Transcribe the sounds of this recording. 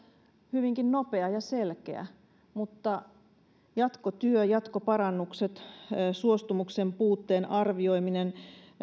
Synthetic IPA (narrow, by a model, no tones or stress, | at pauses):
hyʋiŋkinnopeɑjɑselkḛæ̰ | mut̪ːɑ | jɑt̪kot̪yøjɑt̪kopɑɾɑnːukset̪ːsuost̪umuksempuːt̪ːeːnɑrʋio̞iminen